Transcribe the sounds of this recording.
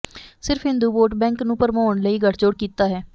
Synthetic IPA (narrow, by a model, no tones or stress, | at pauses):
sɪɾfɦɪ̃nd̪uːboːʈbɛ̃ːŋknũːpəɾmoːəɳləiːɡəʈʰt͡ʃoːɽkiːt̪aːɦɛː